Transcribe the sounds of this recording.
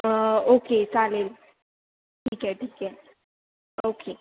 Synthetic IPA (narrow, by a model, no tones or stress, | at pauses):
oket͡salel | ʈʰiːkɦɛʈʰiːkɦɛ | okʰe